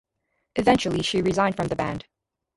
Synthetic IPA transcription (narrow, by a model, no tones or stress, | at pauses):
ʔɨvɛ̃nt͡ʃl̩ˠiʃiɹɨzãɪ̃nd̥fɹʌ̃mðɨbæ̰̃nd̥